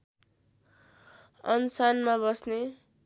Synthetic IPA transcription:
ʌnsanmabʌsne

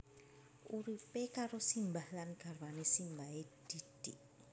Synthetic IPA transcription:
ʔuɾipekaɾosimbahlanɡ̥a̤rwanesimbaɦed̪̥id̥ɪʔ

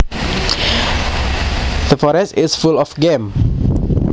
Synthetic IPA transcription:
ð̥əfɔɾɛstɪsfulɔfɡem

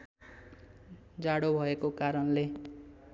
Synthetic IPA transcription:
d͡zaɽobʱʌekokaɾʌnle

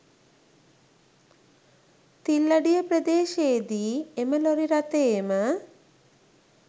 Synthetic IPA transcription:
t̪ilːaɖijəpɾəd̪eːʃeːd̪iːeməloɾiɾat̪eːmə

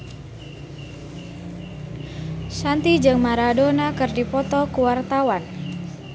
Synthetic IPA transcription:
sant̪id͡ʒɨŋmaɾadonakɨrdipɔt̪ɔkuwart̪awan

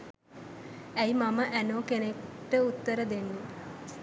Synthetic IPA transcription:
æjmaməʔænoːkenekʈːəut̪ːəɾəd̪enːu

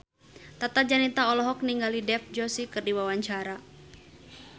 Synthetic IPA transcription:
t̪at̪ad͡ʒanit̪aɔlɔɦɔk̚niŋɡalidɛfd͡ʒɔsikɨrdiwawaɲt͡ʃaɾa

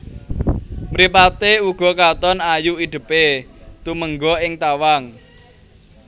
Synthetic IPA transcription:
mɾipat̪euɡ̥ɔ̤kat̪ɔnajuiɖ̪̥ə̤pet̪uməŋɡɔɪŋt̪awaŋ

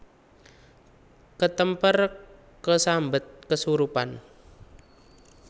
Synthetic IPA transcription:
kət̪əmpər | kəsambət̪̚kəsuɾupa̰n

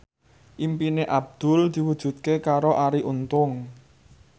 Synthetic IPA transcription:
ʔimpineʔab̚d̪̥ʊ̤ld̪̥i̤wud̥ʒ̥ṳt̪̚kekaɾoʔaɾiʔunt̪ʊŋ

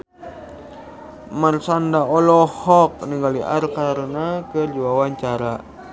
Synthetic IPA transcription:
marsandaɔlɔhɔk̚niŋɡaliʔa̰rkaɾənakərd͡ʒuwawaɲt͡ʃaɾa

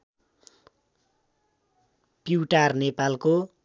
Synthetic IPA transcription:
piʈarnepalko

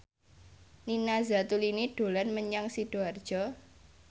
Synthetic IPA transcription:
ninazat̪uliniɖ̥o̤lanməɲaŋsid̥oard̥ʒ̥ɔ

